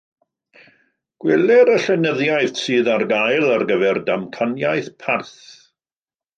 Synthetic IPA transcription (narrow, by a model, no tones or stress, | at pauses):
ɡ̥wɛlɛɾəɬɛnəðjajθsɨːðarɡajlˠarɡəvɛrdamkʰanjajθpʰarθ